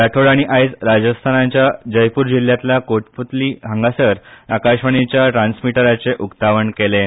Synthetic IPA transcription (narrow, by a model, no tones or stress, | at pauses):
ɾaʈʰoɽaɽ̃iʔait͡sɾad͡ʑəst̪ʰanaɲt͡ɕjad͡ʑəjpuːɾd͡ʑil̤jat̪lakoʈ̚put̪liːɦə̃ŋɡasəɾakaɕʋəɳ̃it͡ɕjaʈɾansmiʈəɾat͡seʔukt̪aʋəɳkele